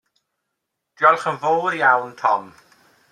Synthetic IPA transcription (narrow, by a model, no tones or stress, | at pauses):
d̥jɔlˠχənvoːɾjawntʰɔm